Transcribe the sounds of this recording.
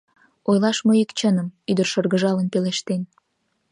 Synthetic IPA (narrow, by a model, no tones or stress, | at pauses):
ojlɑʃmoikt͡ɕənəmyd̪ərʃərɣəʒɑlənpeleʃt̪en